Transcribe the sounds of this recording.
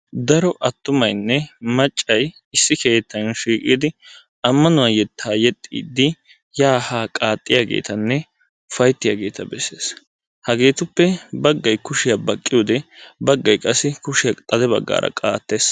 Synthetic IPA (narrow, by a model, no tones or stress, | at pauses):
d̪ɐɾɔʔɐt̪ːʊmɐjnːɛmɐt͡ʃʼːɐj | ɪsːɪke̞ːt̪ːɐnʃiːkʼiːd̪ɪ | ɐmːɐnʊwajɛt̪ʰːaːjɛt̪ʼːḭːd̪ːɪ | jaːhaːkʼaːt̪ʼːɪjaːɡḛːt̪ɐnːɛ | ʊfɐjt̪ːɪjaːɡe̞̰ːt̪ɐbɛsːḛːs | hɐɡe̞ːt̪ʊpːɛbɐɡːɐjkʊʃɪjabɐkʼːɪjoːd̪ɛbɐɡːɐjkʼɐsːɪkʊʃɪjɐt̪ʼɐd̪ɛbɐ̰ɡːa̰ːɾɐ̰kʼaːt̪ːe̞ːs